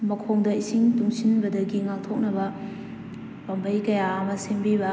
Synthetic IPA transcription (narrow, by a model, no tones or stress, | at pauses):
mɐkʰoŋdɐisiŋtuŋsinbɐdɐɡiŋak̚tʰok̚nɐbɐ | pambʱɐjkɐjaɐmɐsembibɐ